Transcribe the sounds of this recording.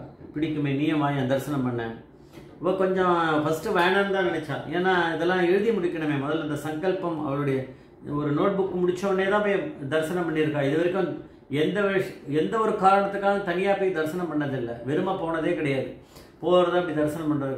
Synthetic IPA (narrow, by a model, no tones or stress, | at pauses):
pɪɽɪkːɯmeːniːjɐmaːjɛ̃ːd̪ɐɾsɐnɐmpɐɳːɛ̃ː | ɪpːɐːkɔɲd͡ʒɔ̃fɐsʈɯʋɐjɐɳanɯd̪ãːnɪnɛt͡ʃːãːeːnaːɪðɛlːãːɛɻɯðimʊɽɪkːɐɳɐmeːmɔðɐlɐnd̪ɐsɐŋɡɐɭpɐmɐ̰ʋɐɾɯɽɐjɐ | ɔɾɯnoːʈ̚bʊkːmʊɽɪt͡ʃːɐɐnːeːt̪ãːɐpoːjd̪ɐɾsɐnɐ̃mpɐɳːɪɾɯkːãːɪðɯʋɐɾɪkːɯ̃m | ɛnd̪ɐʋɾɛnd̪ɐɔɾɯkaːɾɐɳɐt̪ːɯkːaːɣɐt̪ɐŋɪjaːpoːjd̪ɐɾsɐnɐmpɐɳːɐðɪlːɐʋɛɾɯmaːpoːɳɐðeːkɪɽɐjaːðɯ | poːɾɐðaːɐpːɐɽid̪ɐɾsɐnɐ̃mpɐɳɖɾɐðɯ